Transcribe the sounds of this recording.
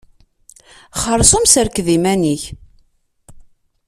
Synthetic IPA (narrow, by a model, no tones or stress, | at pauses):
χəɾˤsumsəɾkðimæniç